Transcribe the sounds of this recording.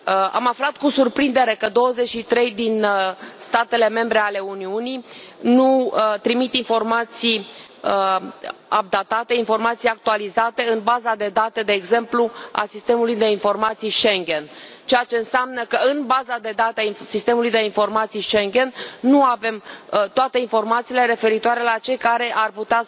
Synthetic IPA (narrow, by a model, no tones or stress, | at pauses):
a̰maflat̪kusurpɾind̪e̞ɾe̞kəd̪o̞wəze̞t͡ʃʃit̪ɾe̞jd̪inst̪at̪e̞le̞me̞mbɾe̞ale̞uniuninut̪ɾimit̪info̞rmat̪sij | ə | ab̚d̪at̪at̪e̞info̞rmat̪sijak̚t̪ualizat̪e̞ɨnbazad̪e̞d̪at̪ed̪e̞ːɡze̞mplua̰sist̪e̞mulujd̪e̞info̞rmat̪sijʃe̞ŋɡʲe̞n | t͡ʃejat͡ʃe̞ɨnseamnəkəɨnbazad̪e̞d̪at̪easist̪e̞mulujd̪e̞info̞rmat̪sijʃe̞ŋɡʲe̞nːuave̞mt̪oat̪e̞info̞rmat̪siːle̞ɾe̞fe̞ɾit̪oaɾe̞lat͡ʃe̞jkaɾe̞ʔarput̪ea